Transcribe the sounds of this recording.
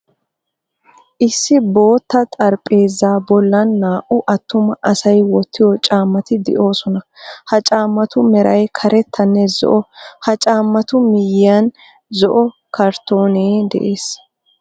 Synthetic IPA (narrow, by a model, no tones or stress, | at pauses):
ʔɪsːɪbo̞ːt̪ːɐt̪ʼɐɾpʼːe̞ːzaːbɔlːɐnːaːʔʊʔɐt̪ːʊmɐʔɐsɐjwɔt̪ːɪjɔt͡ʃʼaːmːɐt̪ɪd̪ɪ̰ʔo̞ːsɔnɐhɐt͡ʃʼaːmːɐt̪ʊmɛɾɐjkʰɐɾɛt̪ʰːɐnːɛzɔ̰ʔɔhɐt͡ʃʼaːmːɐt̪ʊmɪjɪɐn | zɔʔɔ | kɐɾt̪ːo̞ːneːd̪ɛ̰ʔe̞ːs